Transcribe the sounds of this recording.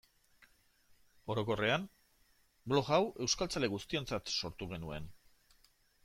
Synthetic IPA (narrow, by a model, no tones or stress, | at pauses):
o̞ɾo̞ko̞re̞an | blo̞ɣawe̞wskalt͡sale̞ɣust̪io̞nt͡sat̪so̞ɾt̪uɣ̞e̞nue̞̰n